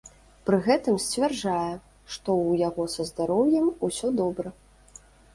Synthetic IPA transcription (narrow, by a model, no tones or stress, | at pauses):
pɾɨɣɛt̪ɨmsʲt͡sʲvʲarʐajɛ | ʂt̪ɔwjaɣɔsɐzd̪aɾɔwjɐmusʲɔd̪ɔbɾɐ